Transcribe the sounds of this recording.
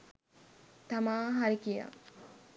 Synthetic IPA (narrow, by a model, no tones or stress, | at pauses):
t̪amaːɦaɾikija̰